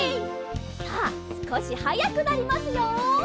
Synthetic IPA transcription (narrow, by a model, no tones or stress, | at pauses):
aːsɨ̥ko̞ɕihajakɯ̟naɾʲimasɨjoː